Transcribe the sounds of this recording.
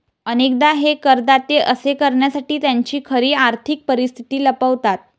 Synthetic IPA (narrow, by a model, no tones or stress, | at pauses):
ənek̚d̪aɦekəɾd̪at̪eʔəsekəɾɳjasaʈiːt̪jaɲt͡ɕiːkʰəɾiːaɾt̪ʰik̚pəɾist̪ʰi̥t̪iːləpəʋt̪at̪̚